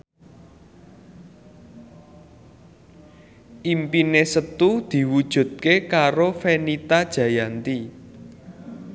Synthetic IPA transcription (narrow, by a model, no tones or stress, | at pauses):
ʔimpinesət̪ud̪̥i̤wud̥ʒ̥ṳd̪̚kekaɾofenit̪ad̥ʒ̥ä̤jant̪i